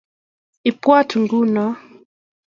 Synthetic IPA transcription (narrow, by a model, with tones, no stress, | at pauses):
i˨pwa˦tʰu˨ŋɡu˦nɔ˨